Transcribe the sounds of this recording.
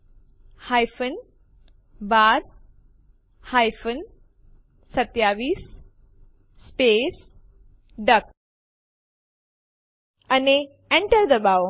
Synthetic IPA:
hajfən | baɾ | hajfən | sət̪jaʋiːs | pes | ɖək | ani | ɛ̃ɳʈəɾd̪əbaw

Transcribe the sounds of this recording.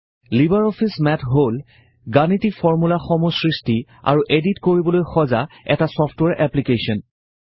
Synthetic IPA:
libaɹɔpʰismɛtɦol | ɡanitikfɔɹmulaxɔmusɹisti | a̰ɹuʔeditkoɹibɔlojxɔza | ɛ̰tasɔpʰtwɛɹʔɛplikesɔn

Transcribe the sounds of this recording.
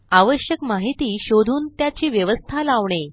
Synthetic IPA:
aʋəɕjəkmaɦit̪iːɕod̪ʱuːnt̪jat͡ɕiːʋjəʋəst̪ʰalaʋɳe

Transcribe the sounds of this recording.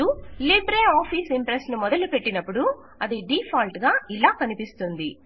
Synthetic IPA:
ulibɾeːaːpʰiːsimpɾesnumɔd̪ɐlupeʈːinɐpːuɽu | ɐd̪iɖiːpʰaːlʈɡaːilaːkɐnipist̪und̪i

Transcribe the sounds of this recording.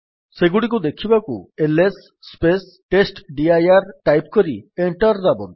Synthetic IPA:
seɡuɽikud̪ekʰibakṵelesː | pes | ʈesʈɖiajaɾʈajpkɔɾieɳʈɔɾdabɔn

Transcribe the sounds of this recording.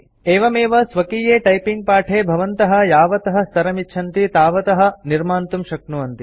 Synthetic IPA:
eːʋɐmeːʋɐsʋɐkiːjeːʈɐjpiŋɡ̚paːʈʰeːbʱɐʋɐnt̪ɐɦɐ̆jaːʋɐt̪ɐɦɐ̆st̪ʰɐɾɐmiʃʰɐnt̪it̪aːʋɐt̪ɐɦɐ̆niɾmaːnt̪umʃɐknuʋɐnt̪i

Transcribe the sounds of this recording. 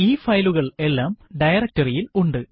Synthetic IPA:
iːfɐjluɣɐɭe̞lːaːmɖɐjɐrɐk̚tɐrijiluɳɖɨ

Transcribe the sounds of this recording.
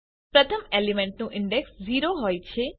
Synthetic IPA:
pɾət̪ʰəmeːlimẽɳʈnũʔɪɳɖeksziːɾoɦoːjt͡ʃʰe

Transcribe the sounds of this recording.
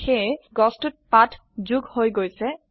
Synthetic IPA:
xeɡɔstut̚patʰ | zuɡhojɡojsɛ

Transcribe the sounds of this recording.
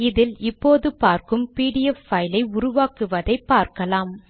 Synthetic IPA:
ɪðɪlɪpːoːðɯpaːɾkɯmpiːɽɪjɛfːɐjlɐɪʊɾʊʋaːkɯʋɐðɐɪpːaːɾkɐlaːm

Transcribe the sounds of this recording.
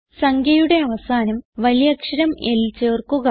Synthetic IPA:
sɐŋɡʰʱjɐjuɽe̞ɐʋɐsaːnɐmʋɐlijɐkʂɐɾɐmelt͡ɕe̞ːrkːuɣɐ

